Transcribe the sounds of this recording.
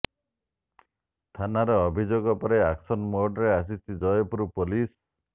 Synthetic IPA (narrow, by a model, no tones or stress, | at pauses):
t̪ʰanaɾeɔbʱid͡ʒoɡɔpɔɾeaksɔnmoɾɖɾeas̬istid͡ʒɔjɔpuɾupolis